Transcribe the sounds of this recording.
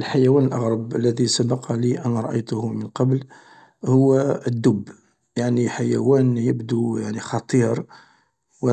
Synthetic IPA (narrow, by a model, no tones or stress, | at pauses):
lħajæwænəlʔɑɣɾˤɑbəlːæðisabɑqʰɑliʔænæɾˤɑʔəjt̪ʊhmənqɑbl | hʊwːæəd̪ːʊb | jaʕniħajæwænjəbd̪ujaʕnixɑt̪ˤiɾ | wə